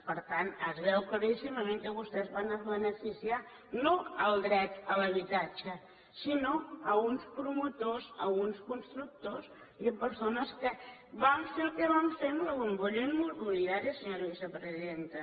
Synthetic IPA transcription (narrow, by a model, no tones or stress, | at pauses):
pəɾt̪anəzβɛwkləɾisiməmẽŋkəβust̪ɛzβanəzβənəfisia | noəlˠd̪ɾɛt̪ələβ̞it̪at͡ʃə | sinoəunspɾumut̪ozə̰lɣunskunst̪ɾuk̚t̪oz | iəpəɾsonəskəβaɱfelˠkəβaɱfemləɣumbuʎinmuzɣuliaɾəsəɲoɾβisəpɾəziððent̪ə